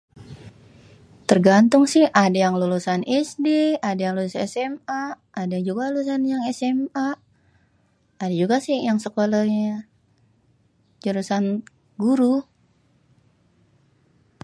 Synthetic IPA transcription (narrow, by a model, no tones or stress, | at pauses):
t̪ərɡant̪ʊŋsɪhʔadajaŋlulusanɛsdeadajaŋlulusɛsɛmaː | dad͡ʒuɡaluusanjaŋɛsɛma | adad͡ʒuɡasɪhjaŋsəkolaɲa | d͡ʒəlusan | ɡuɾu